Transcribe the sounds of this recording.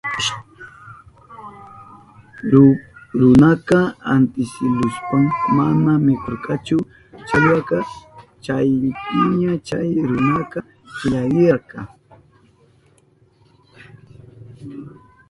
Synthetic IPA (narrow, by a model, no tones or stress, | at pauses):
ɾʊnakɑant̪ɪsɪlʊspaŋmanamɪkoɾkɑt͡ʃʊ | t͡ʃaʎwakɑt͡ʃajpɪɲat͡ʃajɾʊnaka | ʎajɪakɑ